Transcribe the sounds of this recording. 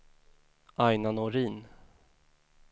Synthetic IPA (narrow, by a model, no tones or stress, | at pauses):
ajnanɔɾiːn